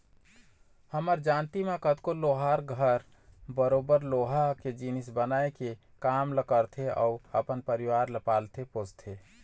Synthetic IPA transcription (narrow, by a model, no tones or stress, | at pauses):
həməɾd͡ʒant̪imekət̪koloɦaɾɡʱəɾ | bəɾobəɾloɦaked͡ʒinisbənaeke | kamləkəɾt̪ʰeə̰uəpənpəɾiʋaɾləpalt̪ʰepot͡ʃt̪ʰe